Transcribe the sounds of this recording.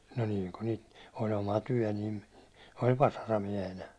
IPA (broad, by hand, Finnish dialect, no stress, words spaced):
no niːŋ ku niːt ol omɑ tyæ̹ niːn̞ olʲ ʋɑsɑrɑmiɛhenæ